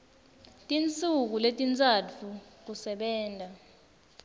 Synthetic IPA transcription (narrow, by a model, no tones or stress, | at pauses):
tʼint͡sʼuk̬uletʼint͡sʼatʰuk̬usɛɓɛːndʱa